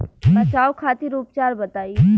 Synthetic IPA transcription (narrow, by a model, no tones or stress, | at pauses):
bɐt͡ʃaːokʰaːt̪iɾuːpt͡ʃaːɾbɐt̪aːie